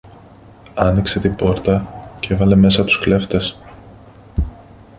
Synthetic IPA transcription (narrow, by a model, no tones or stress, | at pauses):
ɐnikse̞t̪ibo̞ɾt̪ɐce̞vɐle̞me̞sɐt̪u̥skle̞ft̪e̞s